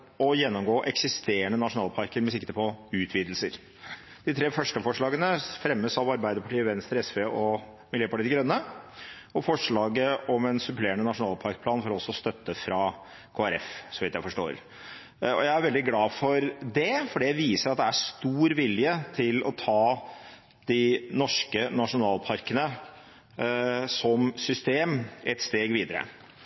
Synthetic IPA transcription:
ɔjɛnːɔmɡoːʔɛksɪst̪eːəɳənɑʂʊnɑːlpʰɑɾkəɾmɛsɪkt̪əpʰɔʉːt̪ʰʋiːd̪lsəɾ | d̪̥ɪt̪ʰɾeːfœʂʈəfɔʂɭɑːɡənəfɾɛmːəsɑʋɑɾbæɪd̪əɾpʰɑʈiːəʋɛnst̪ɾɛsfeːɔ | mɪljøːpɑʈiːd̪ɪɡɾœnːə | ɔfɔʂɭɑːɡəʔɔmɛnsʉpleːɳənɑʂʊnɑːlpʰɑɾk̚pʰlɑːnfɔɾɔsːɔst̪œt̪ːəfɾɑ | kʰoːæɾɛfsɔʋɪt̪jæɪfɔʂʈo̰ːɾ | ɔjæɪæɾʋɛld̪ɪɡlɑːfɔɾd̪ɛfɔɖɛjæɪʋiːsəɾɑt̪̚d̪ɛæʂt̪uːɾʋɪljət̪ʰɪlɔt̪ʰɑː | d̪̥ɪnɔʂkənɑʂʊnɑːlpʰɑɾkənə | sɔmsʏst̪eːmɛt̪st̪eːɡʋiːd̪əɾə̰

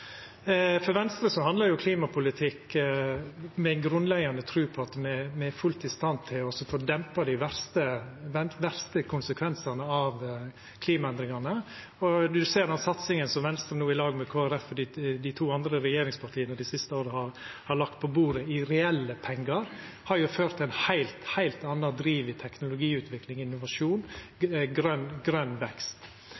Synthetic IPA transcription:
fɔɾʋɛnst̪ɾəsɔhɑnd̪lɑɾjʊkʰliːmɑpʰʊlɪt̪ʰɪk | mɛæɪnɡɾʉnlɛɡɑnət̪ʰɾʉːpʰɔɑt̪mɛmɛæfʉlt̪ɪst̪ɑnt̪ʰɪlɔsɔfoːd̪ɛmpɑd̪ɪʋæɾst̪əʋɛnʋæɾst̪əkʰʊnsəkʰʋɛnsɑnəɑʋ | kʰliːmɑɛnd̪ɾɪŋɑnə | ɔʉseːɾɑnsɑt̪sɪŋənsɔmʋɛnst̪ɾənuːɪlɑːɡmɛkʰoːæɾɛfːɔɖiːd̪ɪt̪ʰuːɑnd̪ɾəɾɛjeːɾɪŋspʰɑʈʰiːənəɖ̪ɪsɪst̪əoːɾəhɑɾhɑɭɑk̚t̪̚pʰɔbuːɾəɪɾɛɛlːəpʰɛŋːɡɑɾ | hɑɾjʊføːɾt̪ʰæɪnhæɪlt̪hæɪlt̪ɑnːɑd̪ɾiːʋɪt̪ʰɛknʊlʊɡiːʉːt̪ʰʋɪklɪŋɪnːʊʋɑʂuːnɡɾœnɡɾœnːʋɛkst̪

